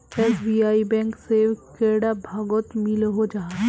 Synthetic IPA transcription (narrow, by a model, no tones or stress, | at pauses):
eːsbiːaːibɛ̃ːŋksekeːɽabʱaːɡot̪milɦod͡ʒaːɦ